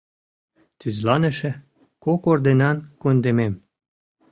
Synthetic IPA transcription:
t̪yzlɑnəʃĕ | kokoord̪enɑnkund̪emem

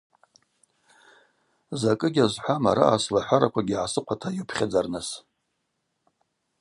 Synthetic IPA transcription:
zakʼɨɡʲazʷħʷamaɾa̰aslaħʷaɾakʷʰaɡʲiʕasɨqʷʰatʰajopʰχʲad͡zarnas

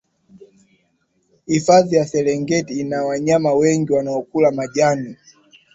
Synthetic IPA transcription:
hifaðijasɛlɛŋɡɛtiːnawaɲamawɛŋɡiwanaɔkulamaʄani

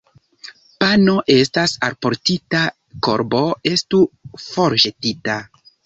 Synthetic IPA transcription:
pano̞ʔe̞stasaɾpo̞ɾtita | ko̞̰ɾbo̞e̞stufo̞ɾʒetita

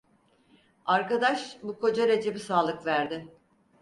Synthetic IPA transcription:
aɾkad̪aʃbukʰo̞d͡ʒaɾe̞d͡ʒe̞bisaːlˠɯkvæɾd̪ɪ

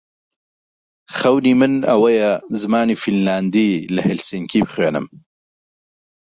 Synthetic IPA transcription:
χɐwniːmɨnɐ̰wɐjɛzɨmaːniːfilmlaːnd̪iːlɐhɪlsiŋkʰiːbɨχweːnɨ̰m

